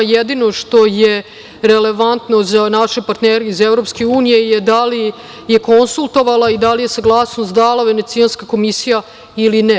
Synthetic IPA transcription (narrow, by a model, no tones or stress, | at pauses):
jed̪ino̞ʂt̪o̞je | ɾe̞leʋant̪nozanaʃepaɾt̪neːɾeizevɾo̞pskeuːnije̞jed̪ali | je̞ko̞nsulˠt̪o̞ʋalˠaid̪alije̞saɡlˠaːsnost̪d̪alˠaʋe̞ne̞t̪sianskako̞misija | ilinɛ